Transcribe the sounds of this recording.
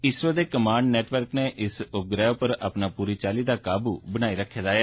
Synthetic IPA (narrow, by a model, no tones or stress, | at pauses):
ɪsoːd̪eːkəmaːɳɖnɛːʈʋəɾkneːʔɪsʊp̚ɡɾɛːoːpəɾa̰ːpnaːpuːɾiːt͡ʃaːliːd̪aːkaːbuːbənaːiːɾəkʰːeːd̪aːjaː